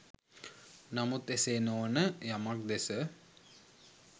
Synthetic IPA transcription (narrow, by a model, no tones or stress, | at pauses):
namut̪eseːnoʋənəjamak̚d̪esə